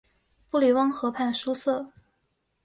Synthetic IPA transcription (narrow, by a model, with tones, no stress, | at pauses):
pu˥˩li˨˩wɑ˥ŋxɤ˧˥pʰa˥˩nʂu˥sɤ˥˩